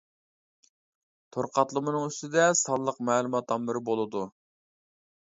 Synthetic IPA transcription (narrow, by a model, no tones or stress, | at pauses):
t̪ʰoɾqɑt̪lˠəmɨnɨŋyst̪ɪd̪ɛsɑlˠːəqmɛːlˠumɑt̪ɑmːɪɾɪbolˠɨd̪u